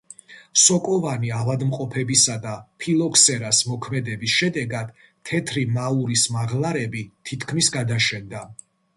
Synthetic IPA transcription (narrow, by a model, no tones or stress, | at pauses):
sɔkʼɔvaniavad̪mqʼɔpʰɛbisad̪apʰilˠɔkʰsɛɾasmɔkʰmɛd̪ɛbisʃɛd̪ɛɡad̪̥ | t̪ʰːɛt̪ʰɾimauɾismaʁlˠaɾɛbit̪ʰit̪ʰkʰmisɡad̪aʃɛnd̪a